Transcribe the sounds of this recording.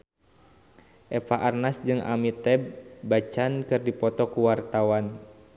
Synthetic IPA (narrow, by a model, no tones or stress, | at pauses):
ʔɛfaʔarnasd͡ʒɨŋʔa̰mit̪ɛbːat͡ʃankɨrdipɔt̪ɔkuwart̪awan